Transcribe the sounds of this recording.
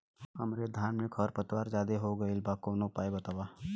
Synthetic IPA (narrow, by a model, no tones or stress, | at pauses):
ɐmɾed̪ʱaːnmekʰɔɾpət̪waːɾd͡ʒaːd̪eɦoɡɐilbakoːnopaːebɐt̪aːwaː